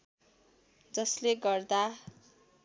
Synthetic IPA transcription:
d͡zʌsleɡʌrd̪a

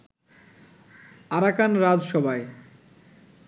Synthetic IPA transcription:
aɾakanɾad͡ʑʃɔbʱae

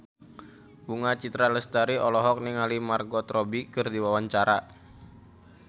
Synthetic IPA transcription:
buŋat͡ʃit̪ɾaləst̪əɾiʔɔlɔɦɔk̚niŋalimarɡɔt̪ɾɔbikərdiwawaɲt͡ʃaɾa

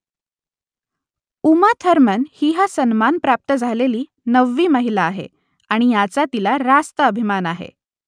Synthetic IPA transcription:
umat̪ʰəɾmənhiːɦasənmanpɾap̚t̪əd͡zʱaleliː | nəʋːiːməɦilaːɦḛ | aɽ̃ijat͡sat̪ilaɾast̪əəbʱimanaɦḛ

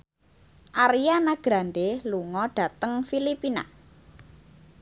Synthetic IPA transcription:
ʔaɾijanaɡ̥ɾanɖeluŋɔɖ̥a̤t̪əŋfilipina̰

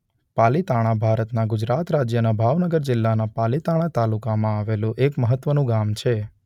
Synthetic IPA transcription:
palit̪aɽ̃abʱaɾət̪naɡʊd͡ʒɾat̪ɾad͡ʒjənabʱaʋnəɡəɾd͡ʒɪlːanapalit̪aɽ̃at̪alukamãaʋelũʔekməɦət̪ːʋənũɡamt͡ʃʰe

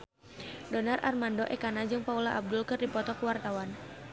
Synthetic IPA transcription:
dɔnarʔa̰rmandɔʔɛkanad͡ʒɨŋpaulaʔab̚dʊlkɨrdipɔt̪ɔkuwart̪awan

